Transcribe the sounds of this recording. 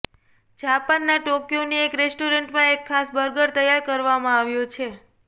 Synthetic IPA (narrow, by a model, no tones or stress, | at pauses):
d͡ʒapanːaʈokjoniekɾesʈoɾəɳʈmãekʰːasbəɾɡəɾt̪əjaɾkəɾʋamãaʋjõt͡ʃʰe